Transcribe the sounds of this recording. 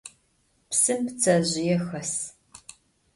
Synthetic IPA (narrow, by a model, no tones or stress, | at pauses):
psɨmpt͡sʰɐʑɪjɛxɐs